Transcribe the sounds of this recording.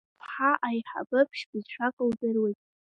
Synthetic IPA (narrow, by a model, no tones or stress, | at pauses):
pʰħaʔajħa̰bɨpʰʃbɨzʃʷᶣakʼɨldɨrwejtʼ